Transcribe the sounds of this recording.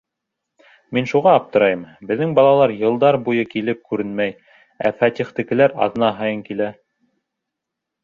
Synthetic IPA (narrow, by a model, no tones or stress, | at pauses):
minʃuʁɑːp̚t̪ɤ̆ɾɑjɤmbɘ̆ðːɘŋbɑlˠɑlˠɑɾjɤ̆lˠd̪ɑɾbujɤkilɘp̚kʉɾɘnmæj | æfæt̪ʲiχt̪ɘ̆kɘ̆læɾɑ̰ðɤ̆nɑɦɑjɤŋkilæ